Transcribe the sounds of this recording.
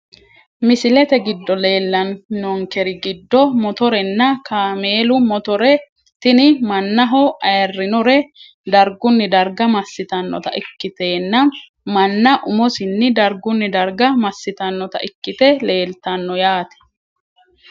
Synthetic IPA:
mɪsɪlɛt̪ɛɡɪd̪ːɔle̞ːlːɐnːɔŋkɛɾɪɡɪd̪ːɔmɔt̪ɔɾɛnːɐkaːmeːlʊmɔt̪ɔɾɛ | t̪ɪnɪmɐnːɐɦɔʔɐjɐrːɪnʊɾɛ | d̪ɐɾɡʊnːɪd̪ɐɾɡɐmɐsːɪt̪ɐnːɔ̰t̪ɐ̰ʔɪkːɪt̪e̞ːnːɐ | mɐnːɐʔʊmɔsɪnːɪd̪ɐɾɡʊnːɪd̪ɐɾɡɐmɐsːɪt̪ɐnːɔt̪ɐ̰ʔɪkːɪt̪ɛle̞ːlt̪ɐnːɔjaːt̪ɛ̥

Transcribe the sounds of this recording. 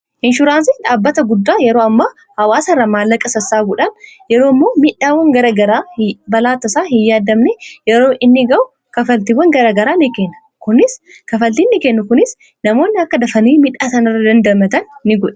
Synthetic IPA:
ʔɪnʃʊɾaːnsɪᶑaːbːɐt̪ɐɡʊd̪ːaːjɛɾoːɐmːaː | hɐwaːsɐrːɐmaːlːɐkʼɐsɐsːaːbuᶑɐnjɛɾoːɪmːo̞ːmɪᶑːaːwɐŋɡɐɾɐɡɐɾaːbɐlaːt̪ːɐsaːɦɪjːaːd̪ɐmnejɛɾoːʔɪnːɪɡɐʔʊ | kɐfɐlt̪iwːɐŋɡɐɾaːɡɐɾaːnɪkeːnːɐ | kʊnɪs | kɐfɐlt̪inːɪkenːʊkʊnɪs | nɐmo̞ːnːɪɐkːɐd̪ɐfɐniːmɪᶑːaːsɐnɐrːɐd̪ɐnd̪ɐmɐt̪ɐnːɪɡɔᶑɐ̥

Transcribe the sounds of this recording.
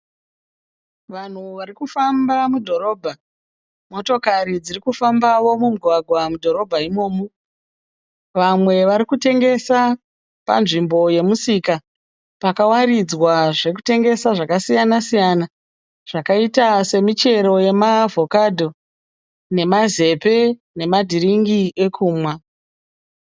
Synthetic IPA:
ʋan̤uʋarikufambamudʱo̞ɾo̞ːbʱa | mo̞to̞kaɾid͡zirikufambawo̞mumuɡʱwaɡʱwamudʱo̞ɾo̞bʱaimo̞ːmo | ʋamwe̞ʋaɾikute̞ŋɡe̞sa | pa̰nʐimbo̞je̞musika | pakawaɾid͡zwaʐe̞k̬u̥te̞ŋɡe̞saʐakasijanasijana | ʐ̥akaitase̞mit͡ʃe̞ɾo̞je̞mavʱo̞kadʱo̞ | ne̞maze̞pe̞ | ne̞madʱiriŋɡie̞kʰuːmwa

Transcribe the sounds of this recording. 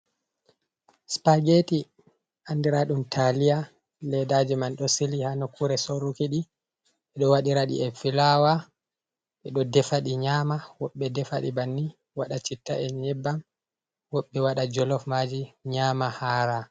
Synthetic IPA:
spaɡeti | ʔandiɾaɗumtʰalija | lɛdad͡ʒimanɗɔsilihanokːuɾɛsoɾukiɗi | ɓɛɗɔwaɗiɾaɗḭɛfilawa | ɓɛɗɔdɛfaɗiɲaːmawɔɓːɛdɛfaɗḭbanːi | waɗat͡ʃitːaʔɛɲɛbːam | wɔɓːɛwaɗad͡ʒɔlɔfmaːd͡ʒiɲaːmahaːɾa

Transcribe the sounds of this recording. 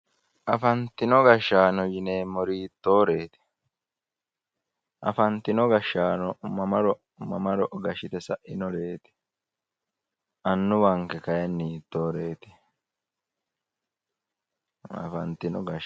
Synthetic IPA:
ʔɐfɐnt̪ɪnɔɡɐʃːaːnɔjɪne̞ːmːɔɾiːt̪ːo̞ːɾe̞ːt̪ɪ̥ | ʔɐ̰fɐnt̪ɪnɔɡɐʃːaːnɔmɐmɐɾɔ | mɐmɐɾɔʔɡɐʃɪt̪ɛsɐʔɪnɔɾe̞ːt̪ɪ̥ | ʔɐnːʊwɐŋkɛkɐjɐnːiːt̪ːoːɾe̞ːt̪ɪ̥ | ɐ̰fɐnt̪ɪnɔɡɐʃ

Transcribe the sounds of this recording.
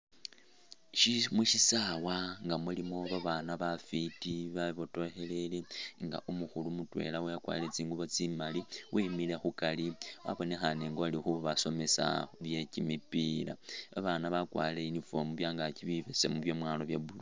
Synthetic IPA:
ʃimuʃisawaŋɡamulimo̞βaβanaβafitiβaβoto̞xe̞le̞leŋɡa̰ʔumuxulumutwe̞̰lawejakwa̰ːlilet͡siːŋɡuβo̞t͡simaliwʔimile̞xukaliwa̰βo̞ne̞xane̞ŋɡoalixuβaso̞me̞sa̰βje̞cimipila̰βaβanaβakwa̰ːleinifomuβjaːŋɡaciβiβe̞se̞̰muβjo̞mwaloβjeβulu

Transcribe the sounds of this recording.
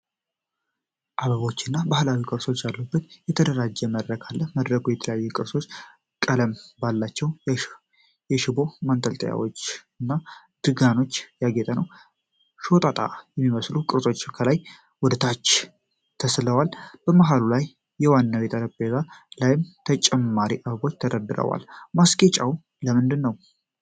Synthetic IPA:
ʔaβəβo̞t͡ʃːɨnːabahlawikʼɨɾso̞t͡ʃːjalːubːət̪jɛt̪ʰəd̪əɾad͡ʒːɛməd̪ɾəkʰalːəməd̪ɾəkujɛt̪ʰələjajːɛkʼɨɾso̞t͡ʃː | kʼələmbalːat͡ʃːɛw | jɛʃɪbo̞mant̪ʼəlt̪ʼəja̰wo̞̰t͡ʃːɨnːa | d̪̥ɨɡano̞t͡ʃːjaɡet̪ʼənəw | ʃo̞t̪ʼat̪ʼa̰jɛmːiməslukʼɨɾsʼo̞t͡ʃːkʰəlaj | wʊd̪t̪ʰat͡ʃː | t̪ʰəsləwalb̥əmaɦalulajː | ɛwanːabet̪ʰaləbezalajɪmt̪ʰət͡ʃʼɛmːaɾiʔaβbo̞t͡ʃːt̪ʰəɾəd̪ɨɾə̰wa̰lmaskʼet͡ʃʼaw | ləmɨnd̪ɨnːəw

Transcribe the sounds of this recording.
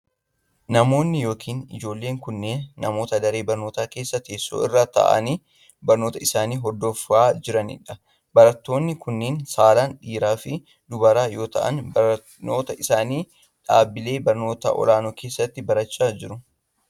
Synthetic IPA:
nɐmo̞ːnːɪjo̞ːkʰiːnɪ̰d͡ʒo̞ːlːe̞ːŋkʊnːe̞ːnːɐmo̞ːt̪ɐd̪ɐɾe̞ːbɐɾno̞ːt̪aːkeːsːɐt̪eːsːo̰ːɪ̰rːaːt̪ɐ̰ʔɐ̰niː | bɐɾno̞ːt̪ɐɪsaːniːɦɔd̪ːofːaːd͡ʒɪɾɐnɪ̰ᶑɐ | bɐɾɐt̪ːo̞ːnːɪkʊnːeːnsaːlaːnᶑiːɾaːfɪ | d̪ʊbɐɾaːjo̞ːt̪ɐ̰ʔɐ̰nbɐɾ | no̞ːt̪ɐʔɪsaːniː | ᶑaːbɪle̞ːbɐɾno̞ːt̪ɐ̰ʔɔ̰laːnokeːsːɐt̪ːɪbɐɾɐt͡ʃːaːd͡ʒɪɾʊ

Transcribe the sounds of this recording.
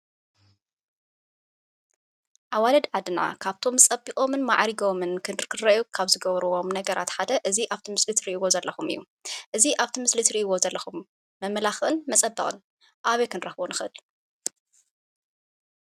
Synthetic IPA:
ʔaβwalɐd̪ʕad̪ɨna̰kʰaβt̪ʰo̞mɨt͡sʼɐbikʼo̞mɨnmaʕɾiɡo̞mɨnkʰɨnɨɾkɨd̪ɾɐʔjukʰaβzɨɡɐβɾuwo̞mnɐɡɐɾʔa̰t̪ħad̪ɐʔɨziʔaβt̪ʰimɨslɨt̪ʰɾiʔiwo̞zɐlːɐxumɨjːu | ʔɨziʔaβt̪ʰimɨslit̪ɾiʔiwo̞zɐlːɐxumː | ɐmlaxʔɨnmɐt͡sʼɐbːɨχʼɨ̰n | ʔaβekɨnɾɐxβonɨxɨɨl

